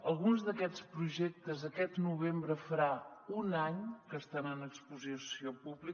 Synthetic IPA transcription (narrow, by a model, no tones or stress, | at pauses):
əlˠɣunzðəkɛt͡spɾuʒɛk̚t̪əzəkɛt̪nuβ̞embɾəfəɾaunaɲkəst̪anənəkspuzisiopuβli